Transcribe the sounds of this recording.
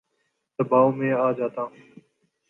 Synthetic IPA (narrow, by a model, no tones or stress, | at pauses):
t̪əbaːomẽːaːd͡ʒaːt̪ãː